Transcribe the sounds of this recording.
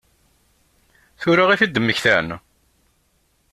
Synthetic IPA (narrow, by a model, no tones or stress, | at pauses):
θʊɾaʁiθid̪əmːəçθæ̰n